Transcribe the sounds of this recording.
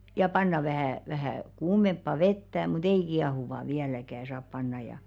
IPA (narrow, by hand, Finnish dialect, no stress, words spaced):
jɑ pɑnːɑ ʋæhæˑ ʋæhæˑ kuːmempːɑ ʋetːæ mut ei kiɑhuʋɑ ʋiælækæ sɑːp pɑnːɑj̆ jɑ